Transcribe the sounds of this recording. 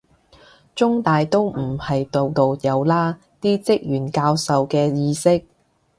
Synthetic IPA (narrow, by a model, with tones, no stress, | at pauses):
t͡ʃʊ˥ŋt̪aː˨jt̪o˥wm̩˨˩hɐ˨jt̪o˨wt̪o˨wjɐ˨˧wlaː˥ | t̪iː˥t͡sɪ˥k̚jyː˨˩nkaː˧wsɐ˨wkɛː˧jiː˧sɪ˥k̚